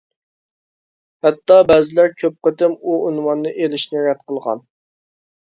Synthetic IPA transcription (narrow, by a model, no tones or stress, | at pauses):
hɛt̪ːɑbɛzɪlæɾkʲʰøp̚qət̪ɪmuunwɑnːɨʔelɪʃnɪɾɛd̪qʰəlˠʁɑ̰n